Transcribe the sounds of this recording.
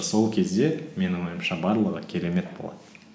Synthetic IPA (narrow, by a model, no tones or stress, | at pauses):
so̞lˠkʲʰe̞zd̪e̞me̞nɪwo̞jəmʃɑbɑɾlˠəʁəkʲʰe̞ɾe̞me̞t̪̚bo̞̰lˠɑ̰d̪̥ə